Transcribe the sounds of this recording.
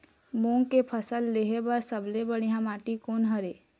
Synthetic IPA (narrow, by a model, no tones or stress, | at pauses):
mõːŋkepʰəsəlːeɦebəɾsəblebəɽ̃ijãmaːʈikoːnɦəɾeː